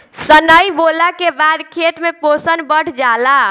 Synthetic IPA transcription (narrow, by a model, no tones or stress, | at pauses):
sənəjbolakebad̪kʰet̪meposənbəʈʰd͡ʒala